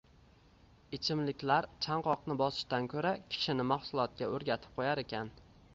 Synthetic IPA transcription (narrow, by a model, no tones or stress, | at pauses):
ɪt͡ʃʰɪmlɪkʲlaɾt͡ʃʰaɴqɒqnɪbɒsɪ̥ʃt̪ankʲʰɵɾakʲʰɪ̥ʃɪnɪmaχsʊlˠɒt̪̚kʲaɵɾɡʲat̪ʰɪ̥p̚qʰojaɾekʲan